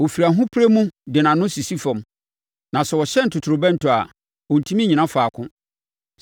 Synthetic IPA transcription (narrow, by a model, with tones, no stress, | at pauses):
wɔ˨fi˨ɾa˨ɦʊ̃˦pʰɾe˦mũ˦dɪ˨nã˨nʊ̃˦si˨si˦fɔ̃˨m | nã˨sɛ˨wɔ˨ɕɛ˦n̩˨tʰʊ˨tʰʊ˨ɾʊ˨bɛ̃˦n̩˦tʰʊ˨a˨ | ɔ̃˨n̩˨tʰũ˦mĩ˦ɲĩ˨nã˦faː˨kʰʊ̃˦